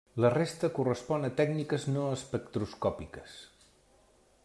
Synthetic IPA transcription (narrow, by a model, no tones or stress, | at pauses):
lərest̪əkurəspɔnət̪ɛɡnikəznoəspəkt̪ɾuskɔpikəs